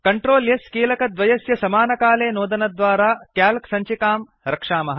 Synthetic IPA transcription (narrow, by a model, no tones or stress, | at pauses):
kɐɳʈɾoːljɐskiːlɐkɐd̪ʋɐjɐsjɐsɐmaːnɐkaːleːnoːd̪ɐnɐd̪ʋaːɾaːkjaːlksɐɲt͡ʃikaːm | ɾɐkʂaːmɐɦ